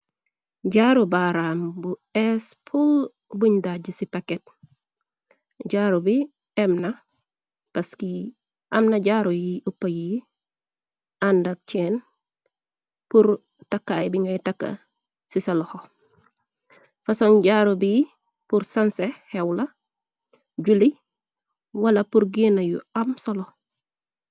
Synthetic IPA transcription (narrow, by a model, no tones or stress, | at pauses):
ɟaːɾubaɾaːmbuɛspʰul | buɲdaɟisipɐket̚ | ɟaɾubi | ɛmnɐ | pɐski | ʔɐmnɐɟaːɾujiupːɐji | ʔandɐk̚t͡ʃeːn | puɾ | takːajbiŋɡɐjtakːɐ̰ | sisaloho | fɐsonɟaːɾubi | puɾsansehewlɐ | ɟuli | wɐlɐpuɾɡinɐjṵɐmsolo